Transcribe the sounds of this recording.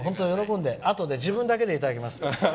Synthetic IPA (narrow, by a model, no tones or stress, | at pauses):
ɦõnt̪ojo̞ɾo̞kõnd̪e̞ʔat̪o̞d̪e̞d͡ʑibɯ̃nd̪ake̞d̪e̞it̪ad̪akʲimasɨ̥